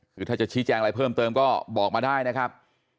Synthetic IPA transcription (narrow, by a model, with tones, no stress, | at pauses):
kʰɯː˧t̪ʰaː˥˩t͡ɕa˨˩t͡ɕʰi˦˥t͡ɕɛː˧ŋɾa˧jpʰɤː˥˩mt̪ɤː˧mkɔː˥˩bɔː˨˩k̚maː˧daː˥˩jna˦˥kʰɾa˦˥p̚